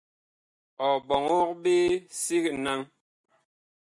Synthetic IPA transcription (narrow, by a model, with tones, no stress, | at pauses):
ɔ˨bɔ˨ŋo˦k̚be˦si˦kna˦ŋ